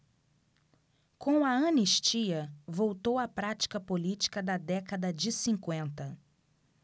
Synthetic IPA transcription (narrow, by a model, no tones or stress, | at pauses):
kõɐɐ̃niʃt͡ʃiɐvowt̪owɐpɾat͡ʃi̥kɐpolit͡ʃi̥kɐd̪ɐd̪ɛkɐd̪ɐd͡ʒɪsĩkwẽnt̪ɐ